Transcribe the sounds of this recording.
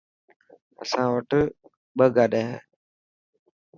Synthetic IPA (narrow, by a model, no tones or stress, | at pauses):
ə̰sãːʋəʈʰ | ɓəɡaːɗeːɦḛː